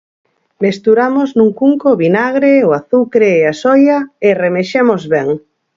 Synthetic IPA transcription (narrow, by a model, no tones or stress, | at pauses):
mest̪uɾamoznuŋkuŋkoβinaɣ̞ɾeoaθukɾeːasɔjaeremeʃemozβɛŋ